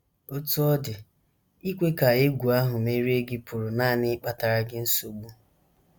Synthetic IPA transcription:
o˦tu˦ɔ˦dɪ˨ | i˦kʷe˦ka˨e˦ɡʷu˨a˦ɦʊ˨me˦ɾi˦e˦ɡɪ˦pʰʊ˨ɾʊ˨naː˦˨nɪ˦k͡pa˦ta˨ɾa˨ɡɪ˦n̩˦so˨ɡ͡bu˦

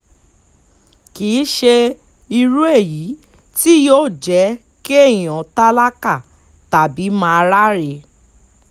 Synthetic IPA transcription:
ki˨˦ʃe˧ | i˧ɾu˦e˦˨ji˨˦ | ti˦jo˦˨d͡ʒɛ˨˦ | ke˦e˦˨j̃ɔ̃˨ta˦la˦ka˦˨ | ta˨bi˨˦mãː˧˦a˧ɾa˦ɾe˧

